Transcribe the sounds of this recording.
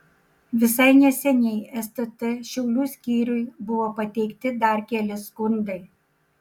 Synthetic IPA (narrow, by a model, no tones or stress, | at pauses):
ʋʲɪs̬ɐɪnʲɛsʲɛnʲɛɪɛst̪ɐt̪ɐʃʲɛʊlʲuːsʲkʲiːɾʲʊɪbʊʋoːpɐt̪ʲɛɪkt̪ʲɪd̪ɐɾkʲɛːlʲɪskʊnd̪ɐɪ